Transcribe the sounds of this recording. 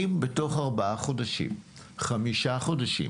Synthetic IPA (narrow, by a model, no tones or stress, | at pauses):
imbeto̞χaʁbaʔaχo̞daʃḭm | χamiʃaχo̞daʃḭ